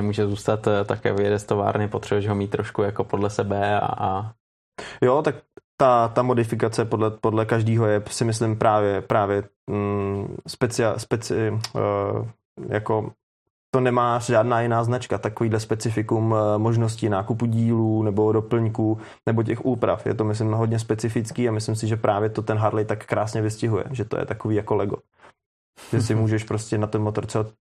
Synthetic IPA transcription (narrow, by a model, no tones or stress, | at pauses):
nɛmuːʒɛzuːst̪at̪t̪ːakɛ̰ːvjɛdɛst̪ova̰ːɾnɪpot̪r̥ɛbuɛʒɦomiːt̪ːɾoʃkujakopodlɛsɛbɛa̰a | jo̞t̪ak̚t̪at̪amo̞dɪfɪkat͡sɛpodlɛpodlɛkaʒdiːɦo̞jɛsɪmɪslɪmpɾaːvjɛpɾaːvjɛ | spɛt͡sɪaspɛt͡sɪ | jako̞ | t̪o̞nɛmaːʒaːdnaːjɪnaːznat͡ʃkat̪akoviːdlɛspɛt͡sɪfɪkummoʒnoscɪnaːkupuɟiːluːnɛbo̞dopl̩ɲkuː | nɛboc̬ɛxʔuːpɾa̰fjɛ̰t̪o̞mɪs̬lɪmɦodɲɛspɛt͡sɪfɪt͡skiːamɪslɪmsɪʒɛpɾʔaːvjɛt̪o̞t̪ɛnɦaɾlɛjt̪akːɾaːsɲɛvɪscɪɦujɛ̰ʒɛt̪o̰jɛ̰t̪akoviːjakolɛɡo | ʒ̥ɛsɪmuːʒɛʃpɾoscɛnat̪ɛnmot̪oɾt̪sɛbat̪